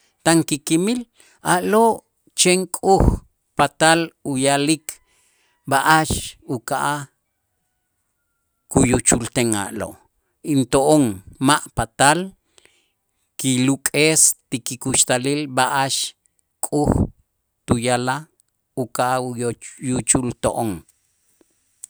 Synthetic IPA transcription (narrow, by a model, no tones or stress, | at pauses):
t̪aŋkikimil | aʔloʔ | t͡ʃeŋkʼux | pat̪alujalikʰ | baʔaʃukaʔa | kujut͡ʃult̪eŋa̰ʔlo̰ʔ | int̪oʔoŋmaʔpat̪al | kilukʼest̪ikikuʃt̪alilbaʔaʃ | kʼux | t̪ujala | ukaʔajut͡ʃult̪oʔoŋ